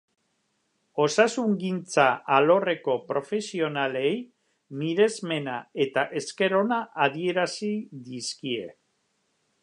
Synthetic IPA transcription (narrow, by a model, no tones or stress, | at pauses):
o̞sasuŋɡint͡saʔalo̞re̞ko̞pɾo̞fe̞sio̞nale̞j | miɾe̞zme̞nae̞t̪aʔe̞ske̞ɾo̞naað̞ie̞ɾasiðiskie̞̰